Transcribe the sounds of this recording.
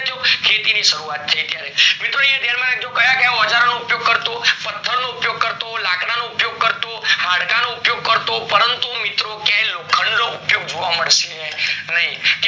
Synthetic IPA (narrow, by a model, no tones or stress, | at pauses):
d͡ʒokʰet̪iniʃəɾuat̪ʰːəit̪jaɾemɪt̪ɾoãd̪janmãnaɡ̚d͡ʒokəjakjãjɔd͡ʒaɾnoupjoɡ̚kəɾt̪opət̪ʰːəɾnoupjoɡ̚kəɾt̪olakɽanoupjoɡ̚kəɾt̪ohaɽkanoupjoɡ̚kəɾt̪opəɾənt̪umɪt̪ɾokjãjlokʰəɳnoupjoɡd͡ʒʱoʋaməɭʃenəɦĩt̪